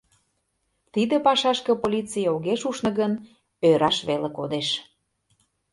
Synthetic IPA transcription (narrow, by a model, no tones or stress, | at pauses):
t̪id̪ə̆pɑʃɑʃkə̆polʲit͡sijoɣeʃuʃnɤ̆ɣən | øɾʔɑʃβelekod̪eʃ